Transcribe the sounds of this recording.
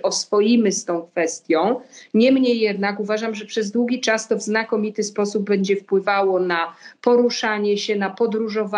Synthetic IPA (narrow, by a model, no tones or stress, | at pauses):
ʔɔsfɔjimɘst̪ɔ̃w̃kfɛst̪ʲjɔ̃w̃ɲɛmɲejːɛd̪nakuvaʐamʐɛpʂɛzd̪wuɡʲit͡ʂast̪ɔvznakɔmʲit̪ɘspɔsub̚ːɛɲd͡ʑɛfpwɘvawɔnapɔɾuʂaɲɛɕɛnapɔd̪ɾuʐɔva